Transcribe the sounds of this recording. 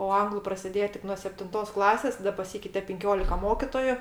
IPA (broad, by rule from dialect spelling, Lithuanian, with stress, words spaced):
oː ˈɐŋɡlˠʊ prɐsʲɪˈdʲeːjɛ ˈtʲɪk nuɔ sʲɛpʲtʲɪnˈtoːs ˈklˠɑːsʲeːs tɐˈdɐ pɐˈsʲiːkʲɛɪtʲɛ pʲɪŋʲˈkʲoːlʲɪkɐ ˈmoːkʲɪtoːjʊ